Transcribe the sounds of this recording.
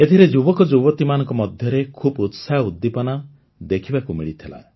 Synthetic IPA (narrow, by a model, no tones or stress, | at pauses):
et̪ʰiɾed͡ʒubɔkɔd͡ʒuβɔt̪imanɔŋkɔmɔd̪ʱjɔɾekʰubut̪saɦud̪ːipɔnɔ | d̪ekʰibakumiɭit̪ʰila̰